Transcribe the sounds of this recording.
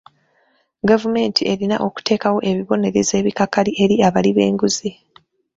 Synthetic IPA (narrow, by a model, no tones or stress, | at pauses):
ɡavume̞ːntʰie̞ɾina̰ʔo̞ku̥te̞ːkawo̞ʔe̞βiβo̞ne̞ɾeze̞ːβikakːaliʔe̞ɾiaβaliβe̞̰ːŋɡuzi